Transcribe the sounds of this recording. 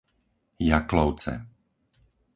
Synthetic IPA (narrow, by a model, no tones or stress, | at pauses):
jaklɔʊt͡sɛ̰